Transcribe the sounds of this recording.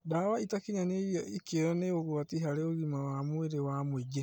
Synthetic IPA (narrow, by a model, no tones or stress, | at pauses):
dawaitakiɲaneɔikeɾɔneoɣwatiɦaɾeoɣimawamweɾewamweɡe